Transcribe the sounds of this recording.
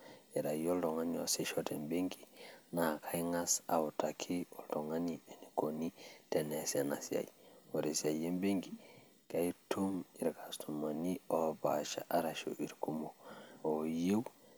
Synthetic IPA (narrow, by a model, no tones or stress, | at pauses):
jeɾajoldoŋaniosiʃotembeŋɡinakʰajŋasa̰wutakʰioldoŋanienikonitenesena̰sia̰jwoɾesiajembeŋɡi | kaitumiɾkastumanioba̰ʃa̰ʔaɾaʃo̰ʔiɾkumoojew